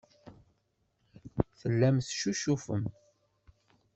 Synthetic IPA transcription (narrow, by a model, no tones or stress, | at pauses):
θəlːæmθʃuʃufə̰m